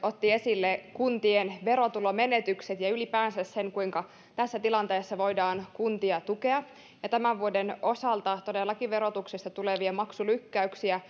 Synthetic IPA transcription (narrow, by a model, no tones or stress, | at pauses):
ot̪ːie̞silːekunt̪ienʋe̞ɾo̞t̪ulome̞net̪ykset̪jɑylipæːnsæsseŋkuiŋkɑ | t̪æsːæt̪ilɑnt̪eːsːɑʋo̞idɑːnkunt̪iɑt̪uke̞ɑ | jɑt̪æmæʋʋuodeno̞sɑlt̪ɑt̪o̞delːɑkiʋe̞ɾot̪uksest̪ɑt̪uleʋiɑmɑksulykːæyksiæ